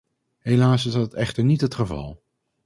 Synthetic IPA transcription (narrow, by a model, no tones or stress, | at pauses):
ɦejlaːsɪsdɑtɛχtəɹnitɦətχəvɑ̰lˠ